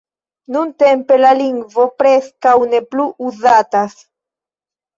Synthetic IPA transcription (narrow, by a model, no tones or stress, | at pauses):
nuntempe̞laliŋɡvo̞pɾeskawne̞pluʔuzatas